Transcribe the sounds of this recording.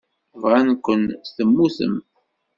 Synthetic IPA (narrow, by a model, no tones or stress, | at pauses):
vʁankʷːənst̪əmːuθə̰m